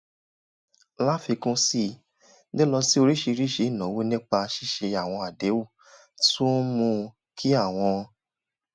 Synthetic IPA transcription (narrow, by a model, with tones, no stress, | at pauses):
la˦fi˧kũ˦si˦˨ | de˦lɔ˧si˦o˧ɾi˦ʃe˧ɾi˦ʃe˨˧˦i˦˨nã˨˦wo˦nĩ˦k͡pa˧ʃi˦ʃe˧a˨w̃ɔ̃˧a˨de˨˦wu˦˨ | tu˦mũ˧ | kʰi˦a˦˨w̃ɔ̃˧